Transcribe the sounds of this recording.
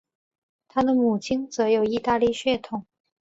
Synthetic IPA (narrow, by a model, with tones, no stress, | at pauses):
t̪ʰa˥d̪ə˨mu˨˩t͡ɕʰi˥ŋt͡sɤ˧˥jo˨˩ʊi˥˧t̪a˥˧li˥˧ɕɥɛ˥˩t̪ʰʊ˨˩˦ŋ